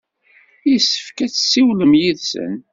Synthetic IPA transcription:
isːə̥fkæt͡sːsːiwləmjiðsə̰n

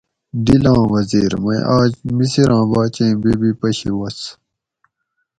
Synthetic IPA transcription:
d̪ilãːwɐziːɾmɐḭʔaːd͡ʑmisiɾʔãːbaːt͡ɕẽːbibipɐɕiwɐs

